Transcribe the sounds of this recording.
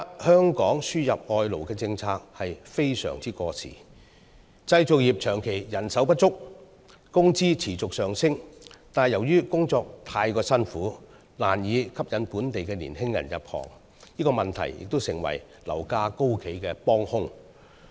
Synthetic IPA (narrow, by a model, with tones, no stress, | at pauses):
hœː˥ŋkɔː˨˥ŋsyː˥jɐ˨p̚ŋɔː˧jlo˨˩wkɛː˧t͡sɪ˧ŋt͡sʰaː˧k̚hɐ˨jfe˥jsœ̰ː˨˩ŋt͡siː˥kɔː˧t͡sʰḭː˨˩ | t͡sɐ˧jt͡sʊ˨k̚jiː˨p̚t͡ʃʰœː˨˩ŋkʰe˨˩jjɐ˨˩nsɐ˨˥wpɐ˥t̚t͡ʃʊ˥k̚ | kʊ˥ŋt͡siː˥t͡sʰiː˨˩t͡sʊ˨k̚sœː˨˩ŋsɪ˥ŋt̪aː˨jɐ˨˩wjyː˥kʊ˥ŋt͡sɔː˧k̚t̪ʰaː˧jkɔː˧sɐ˥nfuː˨˥ | laː˨˩njiː˨˧kʰɐ˥p̚jɐ˨˥npuː˨˥nt̪e˨jkɛː˧lḭː˨˩nhɪ˥ŋjɐ̰˨˩njɐ̰˨p̚hɔ̰ː˨˩ŋ | jiː˥kɔː˧mɐ˨nt̪ʰɐ̰˨˩jjɪ̰˨k̚t̪o˥wsɪ˨˩ŋwɐ̰˨˩j | lɐ̰˨˩wkaː˧ko˥wkʰe˨˥jkɛː˧pɔː˥ŋhʊ˥ŋ